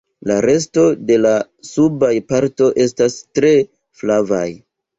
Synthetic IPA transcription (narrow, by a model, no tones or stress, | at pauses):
laɾe̞s̬to̞de̞la | subajpaɾto̞ʔe̞stastɾe̞ | flava̰j